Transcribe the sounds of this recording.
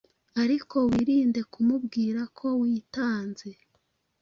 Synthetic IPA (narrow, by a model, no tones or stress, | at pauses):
aɾiko̞wiːɾiːnde̞kumubɡiːɾakʰo̞wiːtaːnze̞